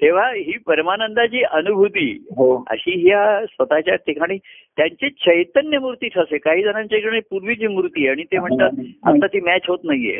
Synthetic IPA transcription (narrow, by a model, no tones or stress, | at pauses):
t̪eʋ̤aɦiːpəɾmanənd̪at͡ɕiːʔənubʱut̪iːɦoə̰ɕiːɦiasʋət̪at͡ɕaɾt̪ekʰaɽ̃iː | t̪jaɲt͡ɕet͡ɕəjt̪ənjəmuɾt̪iːʈʰəsekaɦiːd͡z̪ənãɲt͡ɕakɽ̃ipuɾʋit͡ɕimɾut̪iːeaɽ̃it̪em̤əɳt̪at̪̚ə̰t̪ːat̪iːmæt͡ɕɦot̪naɦiḛ